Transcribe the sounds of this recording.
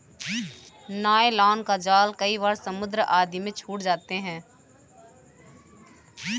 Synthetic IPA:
naːelaːnkad͡ʒaːlkəiʋaːɾsɐmʊd̪ɾəʔaːd̪imẽt͡ʃʰuːʈd͡ʒaːt̪eɦɛ̃ː

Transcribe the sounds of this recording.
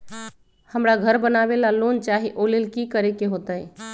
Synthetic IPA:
həmɾaɡʱəɾbənaʋelaloːnt͡ʃaɦiʔoːlelkikəɾekeɦoːt̪əj

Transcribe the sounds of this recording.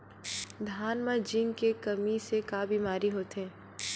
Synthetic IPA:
d̪ʱaːnmad͡ʒɪ̃ŋɡkekɐmisekaːbiːmaːɾiɦoːt̪ẽː

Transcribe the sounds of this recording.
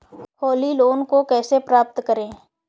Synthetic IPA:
hoːliloːnkokɛːsepɾaːp̚t̪kəɾẽː

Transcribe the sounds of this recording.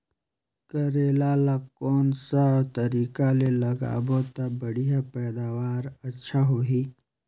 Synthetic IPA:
kəɾeːlalakɔːnsat̪ɐɾiːkalelɐɡa̰ːbot̪abəɽ̤ijapɛːd̪aːʋaːɾɐtːʃʰaɦoːɦiː

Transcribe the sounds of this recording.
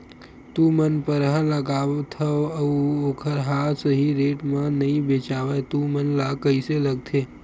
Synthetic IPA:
t̪umənpəɾɦə̃ləɡaːʋt̪ʰəoəuokʰəɾɦasəɦiɾeːʈmãnəĩbeːt͡ʃaːʋet̪umənlakəiseləɡ̚t̪ʰeː

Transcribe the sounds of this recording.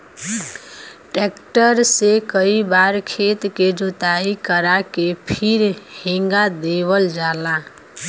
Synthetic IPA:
ʈekʈəɾsekəibaɾkʰet̪ked͡ʒot̪aikəɾakepʰiɾheŋɡad̪eβəld͡ʒala

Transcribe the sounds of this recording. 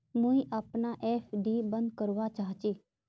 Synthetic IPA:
mʊ̃ĩʔaːpnaːʔɛːpʰɖiːbənd̪kəɾʋat͡ʃaːɦt͡ʃiː

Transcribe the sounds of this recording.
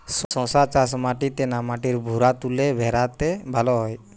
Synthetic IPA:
ssɔ̃sat͡ʃas̬maʈit̪enamaʈiɾbʱuɾat̪ulebʱɛɾat̪ebʱalɔɦɔj

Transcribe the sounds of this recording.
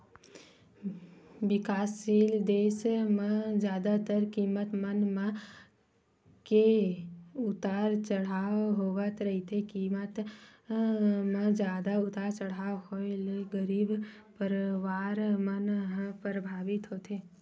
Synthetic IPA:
ʋɪkasild̪eʃmãd͡ʒjad̪at̪əɾkimət̪mənmã | ke | ut̪aɾt͡ʃəɽaʋɦoʋət̪ɾəɦit̪ʰekimət̪ | mãd͡ʒjad̪aʊt̪aɾt͡ʃəɽ̤aʋhoeleɡəɾib | pəɾʋaɾmənɦpəɾəbʱaʋit̪ɦot̪ʰe

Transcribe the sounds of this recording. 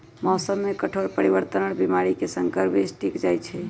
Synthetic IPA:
mɔːsəmːekəʈʰoɾpəɾiβəɾt̪ənəɽbimaɾikesəŋkəɾpesʈikd͡ʒajt͡ʃʰɛ

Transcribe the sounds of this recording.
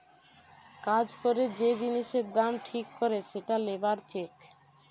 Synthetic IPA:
kad͡ʑkoɾed͡ʑed͡ʑiniʃeɾd̪amʈʰikːoɾeʃeʈalebaɾt͡ɕek

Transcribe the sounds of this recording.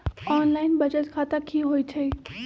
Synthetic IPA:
ɔːnlaːɪnbɐd͡ʑət̪kʰat̪akʰiːɦoit̪ʰei

